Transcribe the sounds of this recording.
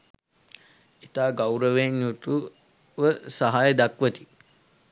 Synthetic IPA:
it̪aːɡawɾəʋenjut̪u | ʋəsaɦajəd̪akʋət̪i̥

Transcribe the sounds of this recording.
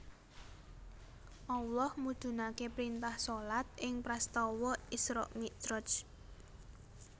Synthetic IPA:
ʔawlɔhmud̥ʒ̥ṳnakepɾint̪ahsolat̪̚ʔɪŋpɾast̪ɔwɔisɾɔ̰ʔmiʔd̪̥ɾɔt͡ʃ

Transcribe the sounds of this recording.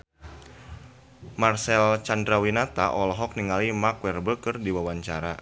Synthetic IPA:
marsɛlt͡ʃandɾawinat̪aʔɔlɔɦɔk̚niŋalimakwɛrbəkərdiwawaɲt͡ʃa̰ɾa

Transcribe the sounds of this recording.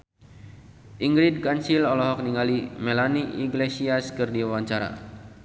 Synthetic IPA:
ʔiŋɡɾid̚kansilɔlɔɦɔk̚niŋalimɛlaniʔiɡlesiaskɨrdiawaɲt͡ʃaɾa̰

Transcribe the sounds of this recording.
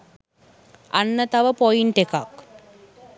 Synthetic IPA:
ɐnːɐt̪ɐʋɐpojinʈeka̰ːk

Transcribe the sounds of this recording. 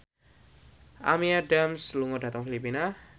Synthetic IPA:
ʔa̰miaɖamsluŋoda̤t̪əŋfilipina

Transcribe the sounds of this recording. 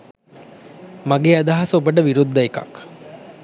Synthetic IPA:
maɡeːad̪aɦasubəʈəʋiɾud̪ːəeka̰k

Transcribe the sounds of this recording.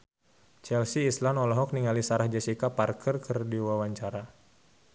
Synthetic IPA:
t͡ʃɛlsiːslanɔlɔɦɔk̚niŋalisaɾahd͡ʒasikaparkʰərkərdiwawaɲt͡ʃaɾa

